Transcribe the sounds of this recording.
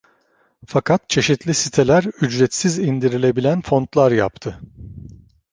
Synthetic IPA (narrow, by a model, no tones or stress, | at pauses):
fakʰat̪̚t͡ʃʰe̞ʃit̪ʰlʲisit̪ʰelʲæɾyd͡ʒɾɛt̪sizind̪iɾilʲe̞bilʲænfo̞nt̪lˠaɾja̰p̚t̪ʰɯ